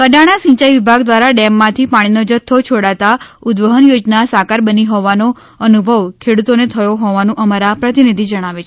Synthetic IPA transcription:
kəɖaɽ̃asĩɲt͡ʃajʋibʱaɡd̪ʋaɾaɖɛmːãt̪ʰipaɽ̃inod͡ʒət̪ʰːot͡ʃʰoɽat̪aʊd̪ʋəɦənjod͡ʒnasakaɾbəniɦɔʋano | ənubʱəʋkʰeɽut̪onet̪ʰəjoɦɔʋanũʔəmaɾapɾət̪inid̪ʱid͡ʒəɽ̃aʋet͡ʃʰ

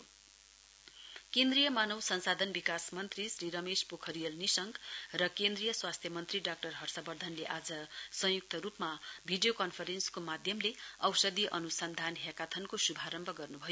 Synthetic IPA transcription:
kend̪rijʌmanʌwsʌnsad̪ʱʌnbikasmʌnt̪risriɾʌmespokʰʌɾijʌlnisʌŋɡrʌkend̪rijʌswast̪ʰjʌmʌnt̪riɖak̚ʈʌrɦʌrsʌbʌrd̪ʱʌnleʔad͡zʌsʌ̃juk̚t̪ʌɾupmabʱiɖijokʌnpʰʌɾenskomad̪ʱjʌmleʌwsʌd̪iʔʌnusʌnd̪ʱanɦjakat̪ʰʌnkosubʱaɾʌmbʱʌɡʌrnubʱʌjo

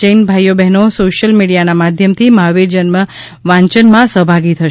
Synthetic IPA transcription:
ənbʱajːobɛɦnosoʃəlmiɽijanamad̪ʱjəmt̪ʰimaɦʋiɾd͡ʒənmə | ʋãɲt͡ʃənmãsəɦbʱaɡit̪ʰə

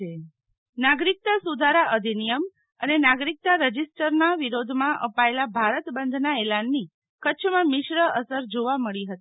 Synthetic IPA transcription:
e | naɡɾik̚t̪asud̪ʱaɾaʔəd̪ʱinijəm | ənenaɡɾik̚t̪aɾəd͡ʒisʈəɾnaʋiɾod̪ʱmãʔəpaelabʱaɾət̪bənd̪ʱnaelanːi | kəːt͡ʃʰmãmɪʃɾəəsəɾd͡ʒoʋaməɭiɦət̪i

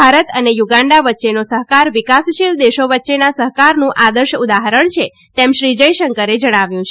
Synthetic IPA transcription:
aɾət̪ənejuɡãɳɖaʋətːʃenosəɦkaɾʋikasʃild̪eʃoʋətːʃenasəɦkaɾnũʔad̪əɾʃud̪aɦəɾəɳt͡ʃʰe | t̪emʃɾid͡ʒəjʃəŋkəɾed͡ʒəɽ̃aʋjũt͡ʃʰ

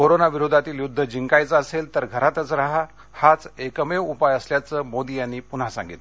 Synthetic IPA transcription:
koɾonaʋiɾud̪ʱat̪iːljud̪ʱːəd͡ʑiŋkajt͡səəselt̪əɾɡʱəɾat̪ət͡sɾaɦa | hat͡sekəmeupajəsljat͡səːmod̪ijanːiːpun̤ɦasã̰ŋɡit̪

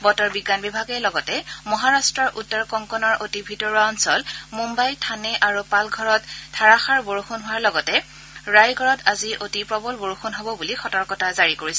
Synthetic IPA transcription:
bɔtɔɹbiɡːanbibʱaɡɛlɔɡɔtɛmɔɦaɹastɹɔɹʔutːɔɹkɔŋkɔnɔɹʔotibʱitɔɹuaɔnsɔlmumbajtʰanɛʔaɹupalɡʱɔɹɔtʰːaɹaxaɹboɹuxunɦʊwaɹlɔɡɔtɛ | ɹajɡʱɔɹɔtaziʔotipɹɔbɔlboɹuxunɦobɔbulixɔtɔɹkɔtazaɹikoɹisɛ

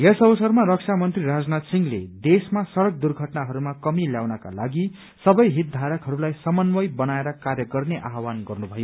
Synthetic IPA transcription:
jesʌbʌsʌrmarʌk̚sʰamʌnt̪riɾad͡znat̪siŋlḛd̪esmasʌɾʌk̚d̪urɡʱʌʈnaɦʌɾumakʌmiljawnʌka̰laɡi | sʌbʌjɦit̪̚d̪ʱaɾʌkɦʌɾulajsʌmʌnbʌjbʌnaeɾʌkarjʌɡʌrneʔaɦwanɡʌrnubʱʌjo

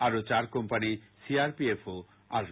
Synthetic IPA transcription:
aɾot͡ɕaɾkɔmpanisiaɾpiefo | a̰ɾ

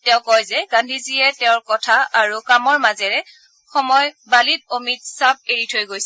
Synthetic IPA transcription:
tɛʊ̃kɔjzɛɡãndʱiziɛtɛʊ̃ɹkɔtʰaaɹukamɔɹmazɛɹɛ | xɔmɔjbalit̚omit̚sab̚eɹitʰojɡojsɛ

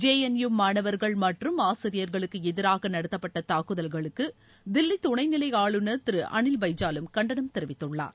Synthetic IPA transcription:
d͡ʒeːjɛnjumaːɳɐʋɐɾɣɐɭmɐʈrɯmaːsɐɾɪjɐɾɣɐɭɯkːɯɛðɪɾaːɣɐnɐɽɐt̪ːɐpːɐʈːɐt̪aːkːɯðɐlɣɐɭɯkːɯ | d̪ɪlːit̪ʊɳɐɪnɪlɐɪaːɭɯnɐt̪ɪɾɯʔɐ̰ɳɪlbɐɪd͡ʒaːlɯmkɐɳɖɐɳɐmt̪ɪɾɪʋɪt̪ːɯɭːa̰ːɾ

